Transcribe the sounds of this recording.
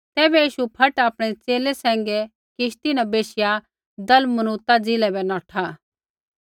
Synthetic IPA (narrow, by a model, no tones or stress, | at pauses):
t̪ɛːbɛjiːʃupʰɐʈaːpɽ̃ɛt͡seːlɛsɛ̃ːŋɡɛ | kɪʃt̪inɛ̃beːʃɪja | d̪ɐlmɐnuːt̪ad͡zɪlɛbɛnɔːʈʰa